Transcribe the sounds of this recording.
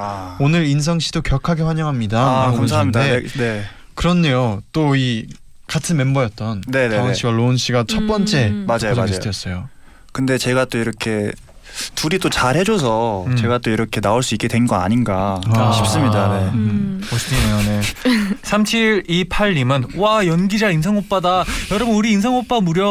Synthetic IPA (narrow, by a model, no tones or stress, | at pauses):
aonɯɾins̬ʰʌŋɕʰidokjʌɭkʰaɡe̞ɸwaɲʌŋɦamɲidakamsʰaddene | kɯɾʌnejot͈oi | katʰɯnme̞mbʌjʌt̚t͈ʌnne̞nɕ͈ʰiɡwaɭonɕ͈ʰiɡat͡ɕʰʌt̚p͈ʌnt͡ɕ͈e̞mad͡ʑajosdʰejʌs͈ʌjo | kɯnde̞t͡ɕe̞ɡat͈oiɾʌkʰe̞ | tuɾit͈ot͡ɕaɾhe̞d͡ʑosʰʌt͡ɕe̞ɡat͈oiɾʌkʰe̞naoɭs͈uik͈e̞dwenɡʌa̰ɲinɡaɕʰip̚s͈ɯmɲidane̞ʌɕiejonesʰamt͡ɕʰiɭipʰaɭːimɯnwajʌnɡid͡ʑains̬ʰaŋop͈adajʌɾʌbɯnuɾiːnsʰaŋop͈amuɾjʌ